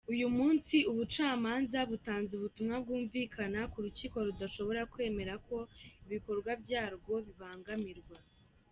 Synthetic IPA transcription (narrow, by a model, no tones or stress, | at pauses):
ujumuːnsiuβut͡ʃaːmaːnzaβutaːnzuβutumŋab̚ɡuːɱviːkʰanakuɾuciːko̞ɾudaʃo̞βo̞ɾakwe̞ːme̞ɾakʰo̞iβiko̞ɾɡwabjaːɾɡo̞βiβaːŋɡamiɾɡwa